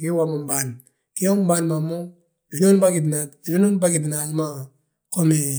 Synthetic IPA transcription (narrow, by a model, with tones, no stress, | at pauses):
ke˦wa˦mo˨mba˨n | ke˦o˦m˦ba˦nma˨mo˦ | i˨no˦nba˦ɡi˨d̬na˨ti˨no˦no˦nba˦ɡi˨dna˨lma˦ | ko˦me˨